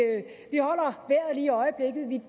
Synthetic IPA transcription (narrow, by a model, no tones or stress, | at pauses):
ʋihɒ̽l̰ɐʋæɐ̰liːɒ̽ɪəb̥le̝ɡ̥ð̩ˠʋi